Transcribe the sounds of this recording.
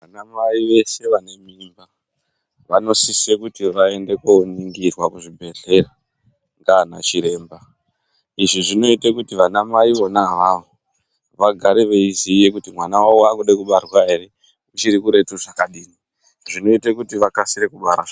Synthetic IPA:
ʋanamaiʋe̞se̞ʋane̞miːmba | ʋano̞sisekutiʋae̞nde̞koniŋɡirwakuʐibʱe̞ɮe̞ra | ŋɡanat͡ʃiɾe̞ːmba | iʐiʐino̞itekutiʋanamaiʋo̞naʋaʋo | ʋaɡʱaɾeʋe̞izije̞kutimwanawaoakuɗekuɓarwae̞ɾe̞ | ut͡ʃiɾikuɾe̞tuʐakaɗiːni | ʐino̞itekutiʋakasiɾe̞kuɓaɾa

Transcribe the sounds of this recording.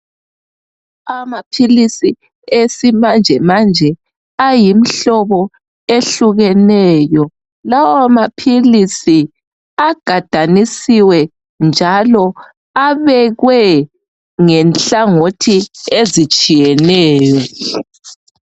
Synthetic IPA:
amapʰilisi | esimand͡ʒʱɛmand͡ʒʱɛ | ajim̩ɬɔβɔ | eɬuɣɛnɛjɔ | lawamapʰilisi | aɡ̥ʱad̥ʱanisiwɛ | nd͡ʒʱalɔ | aβɛɣwɛ | ŋɛnɬaŋotʰiezit͡ʃʼijɛnɛːjɔ

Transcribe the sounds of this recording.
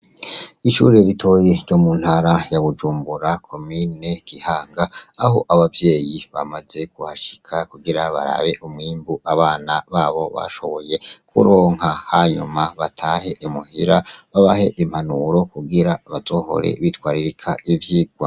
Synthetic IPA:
iʃṵːɾeɾitʰo̞jeɾɟo̞mun̥haɾajaβud͡ʒuːmbuɾakʰo̞mine̞ɡ̥ihaːŋɡaːho̞̰ʔaβavjeːjiβa̰maze̞ɡuhaʃi̥kʰakuɡiɾaβa̰ɾa̰βe̞ʔumŋiːmbuʔaβaːnaβaːβo̞βa̰ʃo̞̰βo̞je̞kʰṵɾoːŋ̥hahaɲṵmaβatʰaːhe̞ʔimuhiɾaβaβahe̞ʔim̥hanuɾo̞kuɡiɾaβazo̞ːho̞̰ɾe̞̰βitwaːɾiɾikʰaivjiːɡwa̰

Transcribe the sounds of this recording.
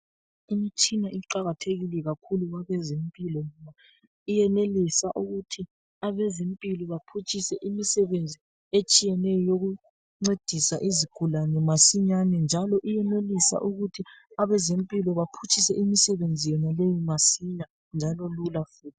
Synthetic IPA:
imit͡ʃʰʼinaiǃaɣatʰeɣilɛɣakʰuluɣwaβɛzempʼilɔŋɔma | ijɛnelisaʔuɣutʰi | aβɛzempʼilɔβapʰut͡ʃʼʰisɛʔimisɛβend͡zʱi | et͡ʃʼijɛnɛjɔjoɣu | ŋ͡ǀed̥ʱisaʔiziɡ̥ʱulanɛmasiɲanɛnd͡ʒʱalɔʔijɛnelisa̰ʔuɣutʰiaβɛzempʼilɔβapʰut͡ʃʰʼisɛʔimisɛβend͡zʱijɔnalejimasiɲa | nd͡ʒʱalɔlulafuːtʰi̥

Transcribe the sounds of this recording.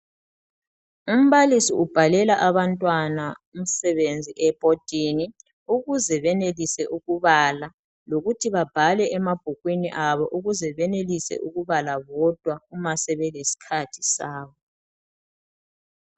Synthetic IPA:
um̩βalisiub̥ʱalɛlaʔaβantʼwanaum̩sɛβend͡zʱiʔɛb̥ʱʼod̥ʱini | uɣuzɛβɛnelisɛʔuɣuβala | loɣutʰiβab̥ʱalɛʔɛmab̥ʱuɣwiniʔaβɔʔuɣuzɛβɛnelisɛ̰ʔuɣuβalaβɔd̥ʱwaumasɛβɛlesi̥kʰatʰi̥saːβɔ

